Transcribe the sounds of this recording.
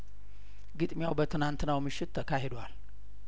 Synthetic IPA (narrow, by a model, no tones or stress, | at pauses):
ɡɨt̪ʼmjawbət̪ʰɨnant̪nawmɨʃːɪt̪ʰːəkʰaɦed̪wal